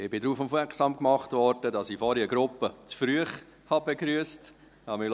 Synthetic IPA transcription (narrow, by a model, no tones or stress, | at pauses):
ɪbɪdɾuːfʊmfʋɛksɑːmkmɑχtvʋɔɾd̥ədɑsifɔɾiəɡɾʊpːət͡sfɾyəχ | hɑbeɡɾyəst | hɑmɪl